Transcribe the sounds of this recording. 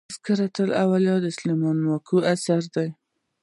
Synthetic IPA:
skəɾat̪əla̰waljɑd̪əɪslemɑnmɑkʰuasaɾd̪aj

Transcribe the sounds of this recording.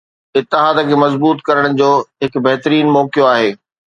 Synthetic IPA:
ɪt̪ːɪɦaːd̪əkʰemɐzbuːt̪kɐɾəɽ̃ɪ̆d͡ʑoːɦɪkbɛɦt̪əɾiːnmɔːkijoaːɦeː

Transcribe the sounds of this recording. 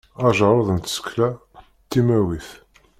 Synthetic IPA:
ɑʒəɾˤəðˤənt̪sə̥kːlæ | t̪ːimæwiθ

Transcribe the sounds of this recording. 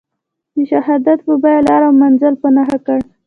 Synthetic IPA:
d̪əʃaɦɑd̪at̪pəbajalɑɾawmanzalpanaxakəɽ

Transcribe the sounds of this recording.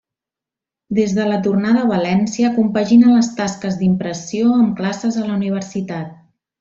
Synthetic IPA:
d̪ezðələt̪urnaðəβ̞əlɛnsiəkumpəʒinələst̪askəzd̪impɾəsioəmklasəzələuniβərsit̪at̪̚

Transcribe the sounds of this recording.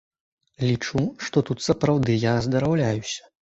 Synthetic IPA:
lʲit͡ʂuʂt̪ɔt̪ut̪sɐpɾawd̪ɨjazd̪ɐɾawlʲajusʲɐ̥

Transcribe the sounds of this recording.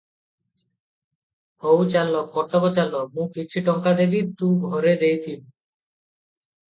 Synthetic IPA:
howt͡ɕalːok̚kɔʈːabot͡ɕalːok̚mũkitʃʰiʈɔŋkad̪ebiɾt̪ũɡʱoɾed̪ejt̪im

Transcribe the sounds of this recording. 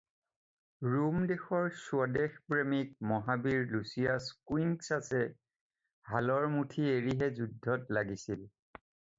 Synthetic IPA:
ɹumdexɔɹsuadexpɹemik̚mɔɦabiɹlusijaskwiŋksasɛ | halɔɹmutʰieɹiɦɛzudʱːɔtlaɡisil

